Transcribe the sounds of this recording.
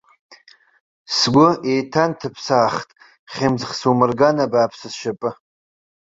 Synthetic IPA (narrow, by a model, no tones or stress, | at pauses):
sɡʷʊʔejtʰantʰɨpʰsaːχtʼ | χʲemzχsumɨrɡanabaːpʰsɨsʃapʼɨ